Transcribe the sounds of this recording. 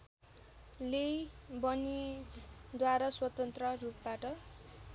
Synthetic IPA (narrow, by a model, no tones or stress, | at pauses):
lebʌnid͡zd̪waɾaswʌt̪ʌnt̪rʌrup̚baʈʌ